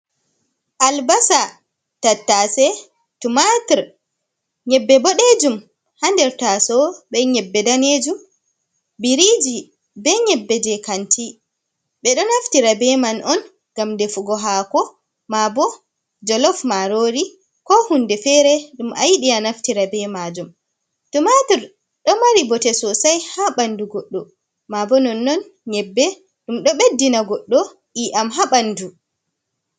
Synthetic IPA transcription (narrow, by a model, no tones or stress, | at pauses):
ʔalbasa | tatːasɛ | tumatiɾ | ɲɛbːɛbɔɗed͡ʒum | handɛɾtasɔbɛɲɛbːɛdaned͡ʒum | biɾid͡ʒi | bɛɲɛbːɛd͡ʒɛkanti | ɓɛɗɔnaftiɾabɛmanʔɔn | ɡ̥amdefuɡɔɦaːkɔ | mabɔ | d͡ʒɔlɔfmaɾoɾi | kɔhundɛfɛɾɛɗumʔa̰jɗianaftiɾabɛmad͡ʒum | tɔmatuɾ | ɗɔmaɾibɔtɛsɔsajhaɓanduɡɔɗːɔ | mabɔnɔnːɔn | ɲɛbːɛ | ɗumɗɔɓedːinaɡɔɗːɔ | ʔiʔamɦaɓandu